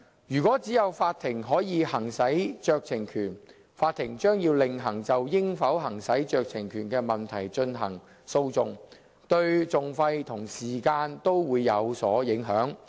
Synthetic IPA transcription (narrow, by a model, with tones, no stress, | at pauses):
jyː˨˩kɔː˨˥t͡siː˨˥jɐ˨˧wfaː˧t̚t̪ʰɪ˨˩ŋɦɔː˨˥jiː˨˧hɐ˨˩ŋsɐ˨˥jt͡ʃœː˧k̚t͡sʰɪ˨˩ŋkʰyː˨˩n | faː˧t̪ʰɪ˨˩ŋt͡ʃœː˥ŋjiː˧wlɪ˨˩ŋɦɐ˨˩ŋt͡sɐ˨wjɪ˥ŋfɐ˨˥wɦɐ˨˩ŋsɐ˨˥jt͡ʃœː˧k̚t͡sʰɪ˨˩ŋkʰyː˨˩nkɛː˧mɐ˨nt̪ʰɐ˨˩jt͡ʃɵ˧nɦɐ˨˩ŋ | so˧wt͡sʊ˨˧ŋ | t̪ɵ˧ɥt͡sʊ˨ŋfɐ˧jt̪ʰʊ˨˩ŋsiː˨˩kaː˧nt̪o˥wwuː˨˧jːɐ˨˧wsɔː˨˥jɪ˨˥ŋɦœː˨˥ŋ